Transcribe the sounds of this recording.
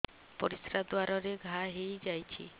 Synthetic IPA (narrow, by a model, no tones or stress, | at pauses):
pɔɾisɾad̪waɾɔɾeɡʱaɦejd͡ʒajt͡ʃʰḭ